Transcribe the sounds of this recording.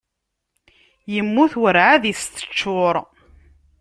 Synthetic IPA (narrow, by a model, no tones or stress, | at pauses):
jəmːuθwəɾʕaðəst̪ə̥t͡ʃːʊɾˤ